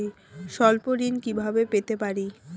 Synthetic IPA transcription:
i | ʃɔlpoɾinkibʱabepet̪epaɾi

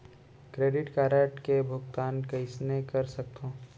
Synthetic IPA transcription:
kɾeːɖɪʈkaːɾəʈkebʱʊkt̪aːnkɐɪsnekɐɾsɐk̚t̪õː

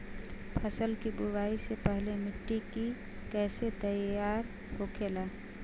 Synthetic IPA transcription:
pʰəsəlkibubaːisepəɦlemɪʈːiki | kɛːset̪əjaːɾ | hokʰelaː

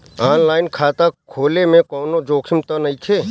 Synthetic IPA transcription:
aːnlaːɪnkʰaːt̪akʰoːlemẽkɔːnod͡ʒoːkʰɪmt̪ɐnɐit͡ʃʰeː

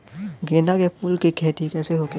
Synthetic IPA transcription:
ɡeːnakepʰuːlkikʰɛːt̪ikɛːseɦoːke

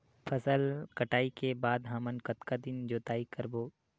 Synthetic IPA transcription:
pʰɐsəlkɐʈaːikebaːd̪ɦãːmənkɐt̪kad̪ɪnd͡ʒoːt̪aːikəɾboː

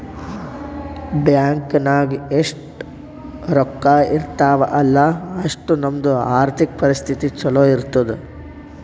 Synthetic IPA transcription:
bjaːŋkɐnaːɡieʂʈ | ɾɔkːaːʔiɾt̪aːʋɐ̰ʔɐlːɐɐʂʈunɐmd̪uaːɾt̪ʰik̚pɐɾist̪ʰit̪it͡ʃɔloːiɾt̪ɐd̪u

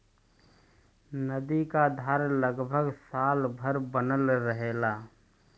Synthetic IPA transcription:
nəd̪ikad̪ʱaːɾləɡbʱəɡsaːlbʱəɾbənəlɾəɦela

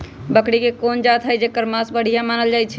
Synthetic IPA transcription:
bəkɽikekond͡ʒat̪ɦəjd͡ʒekəɾmasbəɽ̤ijamanəld͡ʒajt͡ʃʰɛ

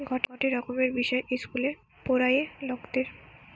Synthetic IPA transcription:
ɡʱɔʈɔʈeɾɔkomeɾbiʃɔeʔeskule | poɾajeloɡd̪eɾ

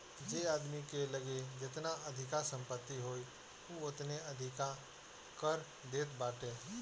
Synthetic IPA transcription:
d͡ʒeaːd̪mikeləɡed͡ʒɪt̪naəd̪ʱɪkasə̃mpət̪ːiɦoːi | uʊt̪neəd̪ʱɪka | kəɾ | d̪eːt̪baːʈeː

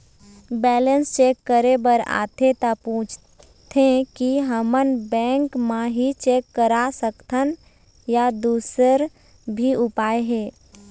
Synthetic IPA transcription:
bɛːlənst͡ʃeːkːəɾebəɾa̰ːt̪ʰet̪apũːt͡ʃʰ | t̪ʰẽkiɦəmənbɛ̃ːŋkmãɦit͡ʃeːkːəɾasəkt̪ʰən | jad̪uːsəɾ | bʱiʊpaːeɦɛː

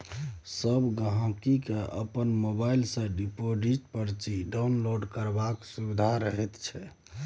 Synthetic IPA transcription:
səbɡaɦãkikeə̰pənmobailsə̃ɖipoɖiʈpəɾt͡ʃiɖawnloɖkəɾbaksubid̪ʱaɾəɦɛt̪t͡ʃʰɛ

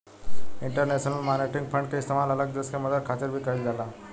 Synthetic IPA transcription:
iɳʈəɾneɕənəlmaneʈiŋɡfəɳɖkest̪əmalələɡ̚d̪əskaməd̪əɾkʰat̪əɾbʱiːkəild͡zala

